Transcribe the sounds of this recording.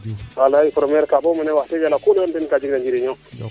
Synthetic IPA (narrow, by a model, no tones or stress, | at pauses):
walaipɾomeɾkabominewated͡ʒalakolandenkad͡ʒiɡdand͡ʒiɾiɲo